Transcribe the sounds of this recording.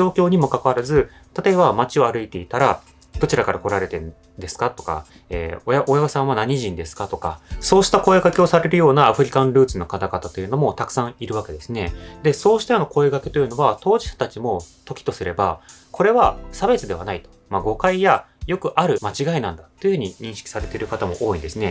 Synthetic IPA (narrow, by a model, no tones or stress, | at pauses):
o̞ːkʲo̞ːɲ̟imo̞kakaβaɾazɨ | t̪at̪o̞e̞bamat͡ɕio̞aɾɯ̟it̪e̞it̪aɾa | b̥ɯt͡ɕiɾakaɾako̞ɾaɾe̞t̪ẽ̞n | d̪e̞sɨ̥kat̪o̞̥ka̰ | ḛːojaojaɡasãβanaɲ̟iʑĩnd̪e̞sɨ̥kat̪o̞ka̰so̞ːɕi̥t̪ako̞eɡake̞o̞saɾe̞ɾɯ̟jo̞ːnaːɸɯ̟ɾʲikãnɾɯ̟ːt͡sɨno̞kat̪aɡat̪at̪o̞jɯ̟no̞mo̞t̪akɯ̥sãɰ̃iɾɯ̟βake̞d̪e̞sɨne̞d̪e̞so̞ːɕi̥t̪ajonoko̞eɡaket̪o̞jɯ̟no̞βat̪o̞ːʑiɕḁt̪at͡ɕimo̞t̪o̞kʲi̥t̪o̞sɨɾe̞bakʰo̞ɾe̞βasabe̞t͡sɨd̪e̞β̞a̰nait̪o̥maɡo̞kaijajo̞kɯ̟ʔaɾɯ̟mat͡ɕiɡainãnd̪at̪ːejɯ̟hɯ̟ɲ̟iɲ̟ĩɰ̃ɕi̥kʲi̥saɾe̞t̪e̞ɾɯ̟kat̪amo̞ʔo̞ːĩnd̪esɨne